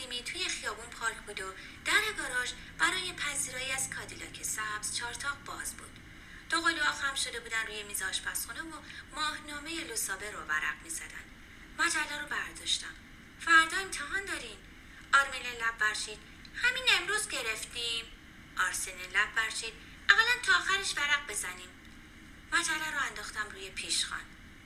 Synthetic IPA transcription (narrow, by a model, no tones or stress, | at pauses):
niːmiːt̪ʰujexijɒːbunpʰɒːɾcʰbuːd̪o | d̪̥æɾeɡɒːɾɒʃ | b̥æɾɒːjepʰæziːɾɒːjiæzkʰɒːd̪ilɒ̰ːcʰesæbz̥t͡ʃʰɒːɾt̪ʰɒːʁbɒːzbṵːd̪̥ | d̪̥oɣoliɒːxæmʃo̞d̪e̞buːd̪ænruːjemiːzɒːʃpʰæsxunevomɒːhnɒːmejelosɒːbe̞ɾovæ̰ɾæ̰ʁmiːzɒ̰d̪æ̰nd̪ | mæd͡ʒælːɒːɾobæɾd̪ɒːʃt̪æm | fæɾd̪ɒːemt̪ʰeɦɒːnd̪ɒːɾin | ɒːɾmilelæbvæɾʃiːd̪̥ | hæmine̞mɾuːzɟe̞ɾeft̪im | ʔɒɾsenelæbvæɾʃiːd̪̥ | ʔæɣælænt̪ʰɒːxæɾeʃvæɾæɢ̚be̞zæniːm | mæd͡ʒælːɒːɾoænd̪ɒːxt̪æmruːjepʰiʃxɒ̰ːn